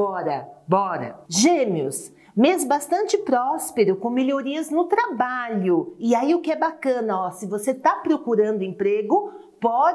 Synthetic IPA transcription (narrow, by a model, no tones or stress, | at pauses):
ɔɾɐbɔɾɐ̰ʒẽmjʊ̰s | mezbast̪ɐ̃nt͡ʃɪpɾɔspeɾʊkõmeʎʲoɾiɐznʊt̪ɾabaʎʊɪaiʊkɪɛbakɐ̃nɐɔsɪvoset̪apɾokuɾɐ̃nd̪ʊẽpɾeɡʊ | pɔ